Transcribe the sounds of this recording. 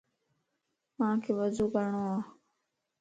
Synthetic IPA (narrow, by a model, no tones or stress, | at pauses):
mãːkʰeːʋəzuːkəɾɳoːaː